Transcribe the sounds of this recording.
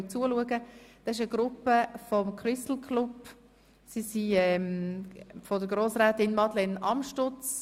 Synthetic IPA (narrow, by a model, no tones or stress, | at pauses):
t͡suːəluəɡəd̥ɑɪʃəɡɾʊpːəfɔmkʰrʏst̪l̩kʰlub̥ | sisiɛm | fɔdəɡ̥ɾoːsʁɛːtɪnmɑd̪lɛnʔɑ̰mʃtʊt͡s